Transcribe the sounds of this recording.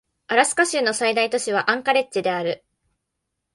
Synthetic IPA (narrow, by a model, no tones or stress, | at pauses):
aɾasɨ̥kaɕɨːno̞said̪ait̪o̞ɕiβ̞aʔãŋkaɾe̞t͡ɕːid̪e̞aɾɯ̟